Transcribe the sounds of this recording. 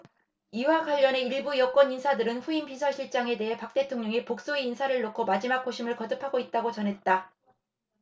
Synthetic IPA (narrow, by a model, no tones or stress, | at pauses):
iwaɡwaʎːʌne̞iɭbujʌk͈wʌɲinsʰadɯɾɯnɸuinpisʰʌɭɕʰiɭt͡ɕ͈aŋe̞de̞ɦe̞pak̚t͈e̞tʰoŋɲʌŋipok̚s͈oiinsʰaɾɯɭːokʰomad͡ʑimak̚k͈oɕʰimɯɭkʌdɯpʰaɡoit̚t͈aɡot͡ɕʌnɦe̞t̚t͈a